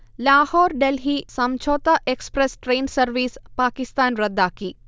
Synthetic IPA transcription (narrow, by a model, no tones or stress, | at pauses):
laːhɔːɾɖelɦiːsɐmt͡ʃʰoːt̪ɐʔekspɾesʈɾeːnsɐɾʋiːspaːkist̪aːnɾɐd̪ːaːki